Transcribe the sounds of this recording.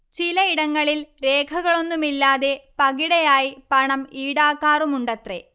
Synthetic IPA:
t͡ɕilɐiɽɐŋːɐɭilɾeːkʰɐɣɐɭo̞nːumilːaːðe̞pɐɣiɽɐjaːjipɐɳɐmiːɽaːkːaːrumuɳɖɐt̪re

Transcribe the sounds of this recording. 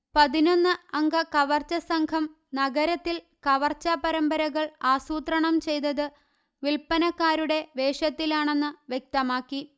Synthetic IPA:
pɐðino̞nːɨɐŋɡɐkɐʋɐrt͡ɕːɐsɐŋkʰɐm | nɐɣɐɾɐt̪ːil | kɐʋɐrt͡ɕːɐpɐɾɐmbɐɾɐɣɐɭaːsuːt̪rɐɳɐmt͡ɕe̞jt̪ɐðɨ | ʋilpɐnɐkːaːɾuɽe̞ʋe̞ːʂɐt̪ːilaːɳe̞nːɨʋje̞k̚t̪ɐmaːkːi

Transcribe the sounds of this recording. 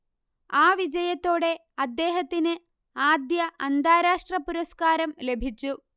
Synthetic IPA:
aːʋid͡ʑɐjɐt̪ːo̞ːɽe̞ | ɐd̪ːe̞ːɦɐt̪ːinɨ | aːd̪jɐʔɐnd̪ʱaːɾaːʂʈrɐpuɾɐskaːɾɐmle̞bʱit͡ɕːu

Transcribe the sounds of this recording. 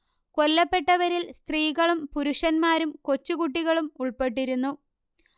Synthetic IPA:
ko̞lːɐpːe̞ʈːɐʋɐɾilst̪riːɣɐɭumpuɾuʂɐnmaːɾumko̞t͡ɕːuɣuʈ̬ːiɣɐɭumuɭpe̞ʈ̬ːiɾunːu

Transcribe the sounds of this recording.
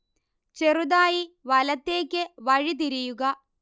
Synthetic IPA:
t͡ɕerud̪aːjiʋɐlɐt̪ːeːkʲːɨʋɐɻit̪̬iɾijuɣɐ

